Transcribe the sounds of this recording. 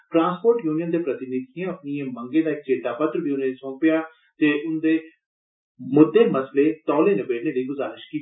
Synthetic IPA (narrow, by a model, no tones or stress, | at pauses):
ʈɾãːnspoːɾʈjuːnɪjənd̪eːpɾət̪ɪnɪt̪ːãːəpnɪjẽːməŋɡẽːd̪aːɪk̚t͡ʃeːt̪aːpət̪ɾbʱiːʊnẽːsɔ̃ːpjaː | t̪eːʔʊnd̪eː | mʊd̪ʱːeːməsleːt̪ɔːlẽːnɪbeːɽneːliːɡʊzaːɾɪʃkiː